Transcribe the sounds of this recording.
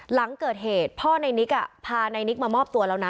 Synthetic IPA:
la˩˦ŋkɤː˨˩t̪̚heː˨˩t̪̚pʰɔː˥˩na˧jni˦˥k̚ʔa̰˧˩pʰaː˧na˧jni˦˥k̚maː˧mɔː˥˩p̚t̪u˧ɐla˦˧˩wna˦˥

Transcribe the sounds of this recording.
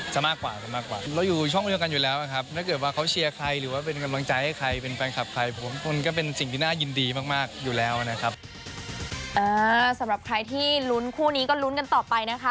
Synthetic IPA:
t͡ɕa˨˩maː˥˩kːwaː˨˩t͡ɕa˨˩maː˥˩kwa̰ː˨˩ɾa˧wjuː˨˩t͡ɕʰɔ˥˩ŋɾi˧əŋka˧njuː˨˩lɛː˦˥wʔa˨˩kʰa˦˥p̚t̪ʰaː˥˩kɤ˨˩t̪̚waː˥˩kʰa˦˥wt͡ɕʰi˧ɐkʰɾa˧jɾɯː˩˦waː˥˩pe˧nka˧mla˧ŋt͡ɕa˧jha˥˩jkʰa˧jpe˧nfɛː˧nkʰa˨˩p̚kʰa˧jpʰo˩˦mkʰu˧nkɔː˥˩pe˧nsi˨˩ŋt̪ʰiː˥naː˥˩ji˧ndiː˧maː˥˩k̚maː˥˩k̚juː˨˩lɛː˨˦˥wa˨˩na˦˥kʰa˦˥p̚ | ʔɤː˧˩sa˨˩˦mɾa˨˩p̚kʰɾa˧jt̪ʰiː˥˩lu˦˥nkʰuː˥˩niː˦˥kɔː˥˩lu˦˥nka˧nt̪ɔː˨˩pa˧jna˦˥kʰa˦˥

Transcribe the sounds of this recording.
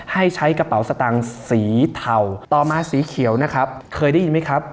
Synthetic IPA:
ha˥˩jt͡ɕʰa˦˥jka˧pa˨˩˦wsa˧t̪aː˧˩ŋsiː˩˦t̪ʰa˨˩wt̪ɔː˨˩maː˧siː˨˩˦kʰi˩˦əwna˦˥kʰɾa˦˥p̚kʰɤː˧jda˥˩ji˧nma˦˥jkʰɾa˦˥p̚

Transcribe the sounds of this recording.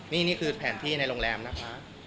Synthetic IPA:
niː˥˩niː˥˩kʰɯː˧pʰɛː˩˦nt̪ʰiː˥˩na˧jɾo˧ŋlɛː˧mna˦˥kʰa˦˥

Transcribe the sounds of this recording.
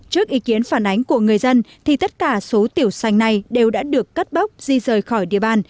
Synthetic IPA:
t͡ɕɨ˦˥ək̚ʔi˨˦ki˨˦ənfaː˧˩nʔa˨˦jŋ̟ku˧˩əŋɨ˨˩əjzə˧nt̪ʰi˨˩t̪ə˦˥t̚kaː˧˩so˨˦t̪i˧˩əwsa˨˧jŋ̟na˨˩jɗe˨˩wɗa̰ː˧˥ɗɨ˨˩əkːə˦˥t̚ɓə˦˥wk͡p̚z̥i˧zəː˨˩jxɔ˧˩jɗḭ˧˨əɓaː˧˩n

